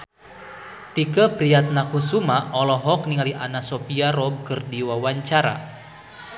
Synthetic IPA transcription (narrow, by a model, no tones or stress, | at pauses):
t̪ikəpɾiat̪̚nakusumaɔlɔɦɔkniŋaliʔanasɔpiaɾɔb̚kərdiwawaɲt͡ʃaɾa̰